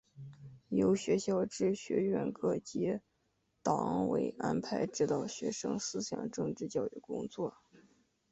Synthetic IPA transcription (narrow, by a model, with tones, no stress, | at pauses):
jo˧˥ʊɕɥɛ˧˥ɕjɑ˥˧ʊʈ͡ʂɻ̩˥˩ɕɥɛ̰˧˥ɥɛ˥˧nkɤ˥˩t͡ɕi˧˥ | t̪ɑ˨˩ŋwḛ˧˥ɪa˥npʰa˧˥ɪʈ͡ʂɻ̩˥˧t̪ɑ˥˩ʊɕɥɛ˧˥ʂɤ̰˥ŋsɹ̩˥ɕjɑ̰˨˩ŋʈ͡ʂɤ˥˧ŋʈ͡ʂɻ̩˥˧t͡ɕjɑ˥˧ʊy̰˥˩kʊ˥ŋt͡swɔ˥˩